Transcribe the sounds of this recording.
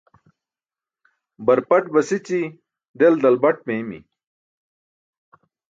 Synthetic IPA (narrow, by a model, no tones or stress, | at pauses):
bɐɾpɐʈbɐsit͡ɕi | ɖ̪eld̪ɐlbɐʈmemḭ